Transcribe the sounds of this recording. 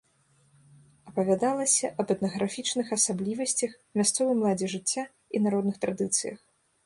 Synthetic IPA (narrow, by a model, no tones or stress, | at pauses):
ɐpɐvʲad̪alˠɐsʲɐʔɐbɛt̪nɐɣɾafʲit͡ʂnɨxɐsablʲivɐsʲt͡sʲɐx | mʲast̪sɔvɨmlˠad͡zʲɛʐɨt͡sʲːa | inaɾɔd̪nɨxt̪ɾad̪ɨt̪sɨjɐ̰x